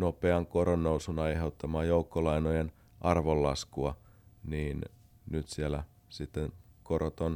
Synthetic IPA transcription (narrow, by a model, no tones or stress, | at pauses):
nopeɑŋkoɾonːousunɑjheut̪ːɑmɑːjoukːolɑinojen | ʔɑrʋolːɑskuɑ | niːn | nyt̪sielæ | sit̪ːenkoɾot̪on